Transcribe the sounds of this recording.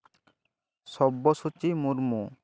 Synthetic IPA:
sɔbːɔsut͡ʃimuɾmu

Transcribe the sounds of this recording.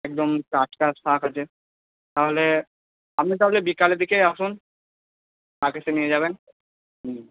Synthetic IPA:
ɛk̚d̪omkaʈkast̪ʰakat͡ɕʰe | t̪aɦole | amnit̪̬aɦolebikaled̪ikeaʃun | akesʰenijed͡ʑaβen | i

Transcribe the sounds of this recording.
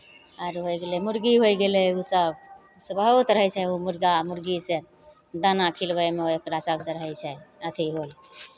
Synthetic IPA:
əɾɦojɡelemuɾɡiɦojɡelɛusəb | səbəɦut̪ɾəɦɛt͡ʃʰɛumuɾɡamuɾɡise | d̪ənakʰilbəemeookɾasəbsẽɾəɦɛt͡ʃʰɛət̪ʰiɦol

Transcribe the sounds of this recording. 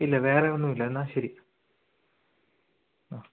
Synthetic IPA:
ilːɐʋe̞ːreonːumilːɐenːaːɕɐɾi | a

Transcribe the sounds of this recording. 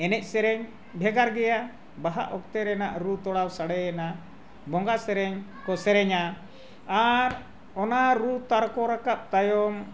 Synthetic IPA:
ɛnɛc̚ˀsɛɾɛɲ | bʱɛɡaɾɡɛja | baɦa̰ʔɔk̚t̪ɛɾɛnaʔɾut̪ɔɽawsaɽɛɛna | bɔŋɡasɛɾɛɲkɔsɛɾɛɲa | aɾ | ɔnaɾut̪aɾkɔɾakap̚t̪ajɔm

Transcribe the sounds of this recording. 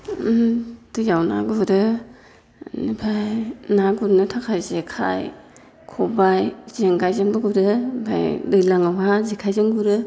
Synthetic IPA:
tɯjawna̰ɡuɾɯ | nibʰajnaɡuɾnɯtʰakʰajzekʰa̰j | kʰɔbajz̥eŋɡajzeŋbɯɡuɾɯba̰jlɯjlaŋawazekʰajzɯŋɡuɾɯ

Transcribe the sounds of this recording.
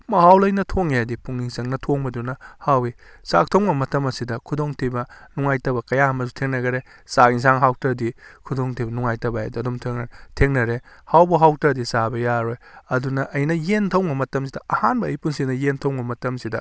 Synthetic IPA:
mɐhawlɐjnɐtʰoŋadipuŋniŋsɐŋnɐtʰoŋbɐdunɐhawi | sa̰k̚tʰɐwmɐmɐtɐmɐsidɐkʰudoŋtʰibɐnuŋajtɐbɐkɐjaɐmɐsutʰeŋnɐɡɐɾe | saɡiŋs̬aŋɦaw̚tɐdikʰudoŋtʰibɐnuŋajtɐbɐa̰dɐdumtʰeŋnɐtʰeŋnɐɾe | hawbɐɦaw̚tɐdisabɐjaɾojɐdunɐʔɐjnɐjentʰɐwmɐmɐtɐmsidɐɐhanbɐːjpunsinɐjentʰɐwbɐmɐtɐmsidɐ

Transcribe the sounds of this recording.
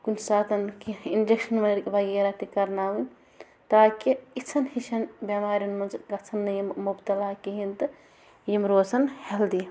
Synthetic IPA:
kunsaːt̪ɐnkiind͡ʒekʃɐnmɐɾkbʱaɡiɾɐt̪ikɐɾnaːwun | t̪aːkiit͡sʰɐnhiʃɐnbʲjɐmaːɾijɐnmɐzɡɐt͡sʰɐnːɐjmubt̪ɐlaːkiɦint̪ɐ | jimɾoːsʰɐnheld̪i

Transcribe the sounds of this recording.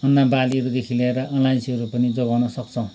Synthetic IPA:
ʌnːabaliʌɾud̪ekʰileeɾʌʔʌlajsiʌɾupʌnid͡zoɡawnʌsʌkt͡sʰʌ

